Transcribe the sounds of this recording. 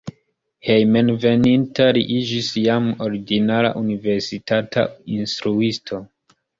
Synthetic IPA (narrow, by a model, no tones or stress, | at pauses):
hejmenve̞nintaɾiʔid͡ʒisjamo̞ɾiɡinala̰ʔunive̞ɾsitata̰instɾuistʰo̞